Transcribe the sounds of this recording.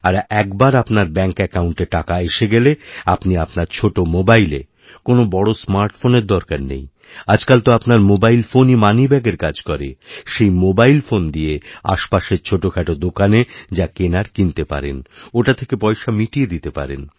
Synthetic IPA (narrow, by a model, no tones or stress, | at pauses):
aɾɛkbaɾapnaɾbɛŋkɛkawɳʈeʈakaeʃeɡeleapniapnaɾt͡ɕʰoʈomobajlḛ | konobɔɽosmaɾʈfoneɾd̪ɔɾkaɾnḛj | ad͡ʑkalt̪oapnaɾmobailfonimanibɛɡeɾkad͡ʑkɔɾeʃejmobailfond̪ijea̰ʃpaʃeɾt͡ɕʰoʈokʰɛʈod̪okaned͡ʑakenaɾkint̪epa̰ɾḛnoʈat̪ʰekepɔjʃamiʈied̪it̪epa̰ɾḛn